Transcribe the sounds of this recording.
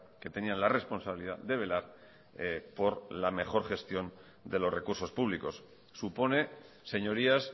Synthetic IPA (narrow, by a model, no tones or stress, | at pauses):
ke̞t̪e̞nianlare̞spo̞nsaβiliða̰ðd̪e̞βe̞laɾ | po̞ɾlame̞xo̞ɾxe̞st̪jo̞n | d̪elo̞sre̞kuɾso̞spuβliko̞sː | upo̞ne̞ | se̞ɲo̞ɾias